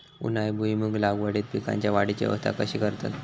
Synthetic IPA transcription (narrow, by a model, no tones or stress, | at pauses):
ṵnajbʱujimuɡlaɡʋəɽiːt̪̚pika̰ɲt͡ɕjaʋaɽit͡ɕḛʋə̰st̪ʰa̰kəɕiːkəɾt̪ə̰t̪